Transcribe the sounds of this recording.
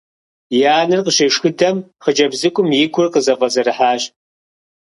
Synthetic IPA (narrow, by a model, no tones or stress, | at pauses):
jaːnɨrqəɕeʂxɨdɐmχəd͡ʒɐbzɨkʷʼʊmjɪkʷʰʊrqəzɐvɐzɐɾɨħaːɕ